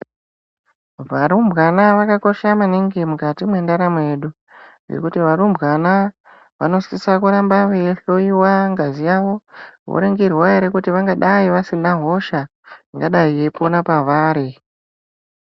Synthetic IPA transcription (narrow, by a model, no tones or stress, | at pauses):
ʋaɾumbʱɣanaʋakako̞ʃamaneŋɡemukatimwe̞ndaɾamwe̞ɗu | ŋḛkutiʋaɾumbɣana | ʋano̞sisakuɾambaweɬo̞iwaŋɡazijaʋo̞wo̰ɾeŋɡerwaeɾe̞kutiʋaŋɡaɗaiʋasinaɦo̞ʃa | ŋɡaɗaieponapaʋaːɾe